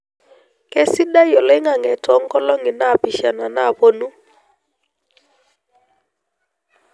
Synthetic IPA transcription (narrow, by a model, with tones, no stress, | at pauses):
kɛ˦si˦ɗa˦jɔ˨lɛ˦ŋa˨ŋɛ˨tɔ˦ŋ˦kɔ˦lɔ˦ŋɪ˨na˦pi˦˨ʃa˨na˨na˦bo˦nu˦